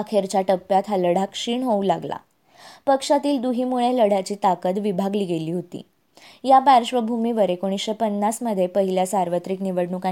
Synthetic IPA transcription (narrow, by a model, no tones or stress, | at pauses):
akʰeɾt͡ɕjaʈəpːjat̪ʰɦaləɽakʂiːɳɦoũlaɡla̰ | pəkʂat̪iːld̪uɦiːmuɭeləɽ̤at͡ɕiːt̪akət̪ʋibʱaɡliɡeliːɦot̪ḭː | japaɾɕʋəbʱumiːʋəɾekoɽ̃isɕepənːasməd̪ʱːjepəɦiljasaɾʋət̪ɾikniʋəɽɳuka